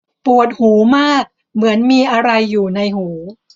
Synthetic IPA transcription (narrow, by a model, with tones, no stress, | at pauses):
pu˨˩ət̪̚huː˩˦maː˥˩k̚ | mɯ˩˦ənmiː˧ʔa˧ɾa˧jːuː˨˩na˧jhuː˩˦